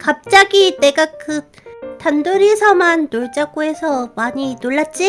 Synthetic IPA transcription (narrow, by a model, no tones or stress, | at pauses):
kap̚t͡ɕ͈aɡite̞ɡakɯ | tandoɾisʰʌmantoɭt͡ɕ͈ak͈oe̞sʰʌmaɲinoɭːat̚t͡ɕ͈i